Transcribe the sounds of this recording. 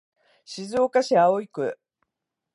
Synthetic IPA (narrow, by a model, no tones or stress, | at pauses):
ɕizɨokaɕiaoikɯ̟